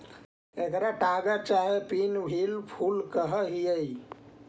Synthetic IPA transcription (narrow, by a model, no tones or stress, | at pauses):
ekɾaʈaɡət͡ʃaɦepinbʱilpʰulkəɦəɦiəi